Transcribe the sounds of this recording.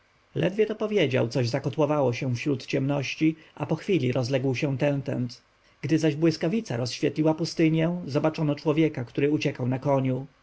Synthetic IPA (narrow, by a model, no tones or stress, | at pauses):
lɛ̰d̪vʲjɛt̪ɔpɔvʲjed͡ʑa̰wt̪sɔʑzakɔt̪wɔvawɔɕɛ̃fɕɾut̪t͡ɕɛmnɔɕt͡ɕi | ʔapɔxfʲilʲiɾʔɔzlɛɡwɕɛ̃t̪ɛnt̪ɛ̰nt̪ | ɡ̥d̪ɘzaʑbwɘskavʲit̪sa̰ɾɔsɕfʲjɛt̪lʲiwapust̪ɘɲjɛ̃zɔbat͡ʂɔnɔt͡ʂwɔvʲjɛkakt̪uɾɘut͡ɕɛkawnakɔɲu